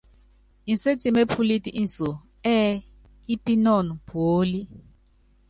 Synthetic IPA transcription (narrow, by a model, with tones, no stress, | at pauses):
i˨n˨se˦t͡ʃi˦˨me˦pʰu˦li˦ti˨ʔi˦n˨so˨ | ɛ˦ | i˦pi˦nɔ˦˨nu˨pʰoː˨˦li˦